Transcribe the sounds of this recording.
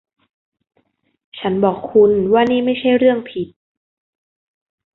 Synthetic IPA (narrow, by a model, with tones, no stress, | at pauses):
t͡ɕʰa˦˥nbɔː˨˩kʰːu˧nwaː˥˩niː˥˩ma˥˩jt͡ɕʰa˥˩jɾɯ˥˩əŋpʰi˨˩t̪̚